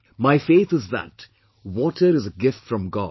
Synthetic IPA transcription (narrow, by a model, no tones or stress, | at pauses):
maɪfeːt̪ɨzðæ̰t | wɔːʈəɾɨzəɡɪfʈfɾɔ̃mɡɔ̰ːd